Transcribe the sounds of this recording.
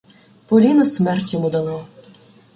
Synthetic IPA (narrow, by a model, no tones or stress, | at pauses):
pɔlʲinɔsmɛrtʲjɔmud̪ɐnɔ